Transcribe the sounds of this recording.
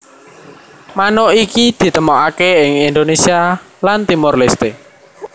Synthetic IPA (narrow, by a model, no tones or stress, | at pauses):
manɔikid̪̥i̤t̪əmɔʔakeɪŋind̪onesia | lant̪imɔrlest̪e